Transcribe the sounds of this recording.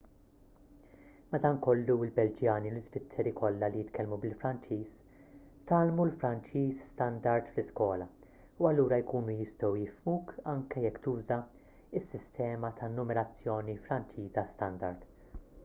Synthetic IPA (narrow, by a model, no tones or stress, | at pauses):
mɐd̪ɐːnkɔlːuɪlbɛld͡ʒjɐːniwlɪzvɪt̪ʰːɛɾikʰɔlːɐlijɪt̪kʰɛlmubɪlfɾɐnt͡ʃiːs | t̪ɐːlmulfɾɐnt͡ʃiːsst̪ɐnd̪ɐɾt̪flɪskwɔːlɐ | uɐlːuːɾɐjkuːnujɪst̪ɔwjɪfmuːkʰɐŋkɛjɛkːt̪uːzɐ | ɪsːɪst̪ɛːmɐt̪ʰɐnːʊmɛɾɐt͡sːjɔːnifɾɐnt͡ʃiːzɐst̪ɐnd̪ɐɾd̪